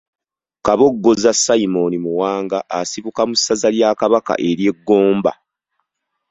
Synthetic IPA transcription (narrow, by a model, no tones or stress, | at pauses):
kaβo̞ɡːo̞zasːaimo̞nimuwaːŋɡaʔasiβukamusːazaljaːkaβaka̰ʔe̞ɾje̞ɡːo̞ːmba̰